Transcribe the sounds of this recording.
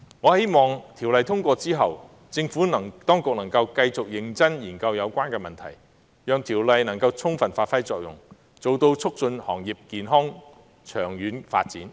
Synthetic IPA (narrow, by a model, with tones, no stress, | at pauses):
ŋɔː˨˧he˥jmɔː˨˩ŋt̪ʰiː˨˩wlɐ˨˧jt̪ʰʊ˥ŋkʷɔː˧t͡siː˥ɦɐ˨w | t͡sɪ˧ŋfuː˨˥nɐ˨˩ŋt̪ɔː˥ŋkʊ˨k̚nɐ˨˩ŋkɐ˧wkɐ˧jt͡sʊ˨k̚jɪ˨˥ŋt͡sɐ˥njiː˨˩nkɐ˧wjɐ˨˧wkʷwaː˥nkɛː˧mɐ˨nt̪ʰɐ̰˨˩j | jœː˨˧ŋt̪ʰiː˨˩wlɐ˨jnɐ˨˩ŋkɐ˧wt͡sʰʊ˥ŋfɐ˨˩nfaː˧t̚fɐ˥jt͡sɔː˨k̚jʊ̰˨˩ŋ | t͡so˨wt̪o˧wt͡sʰʊ˥k̚t͡sɵ˧nhɔ̰ː˨˩ŋjiː˨p̚kiː˨nɦɔː˥ŋ | t͡ʃʰœː˨˩ŋjyː˨˥nfa̰ː˧t̚t͡siː˨˥n